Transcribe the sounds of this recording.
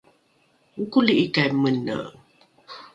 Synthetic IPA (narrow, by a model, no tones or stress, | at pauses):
ŋ̩kuliʔikajmənə̰